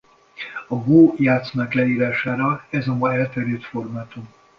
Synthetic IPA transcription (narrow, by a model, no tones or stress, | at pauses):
ɒɡoːjaːt̪snɒklɛiːɾaːʃaːɾɒɛzɒmɒɛlt̪ɛɾyːt̪fo̞rmaːt̪um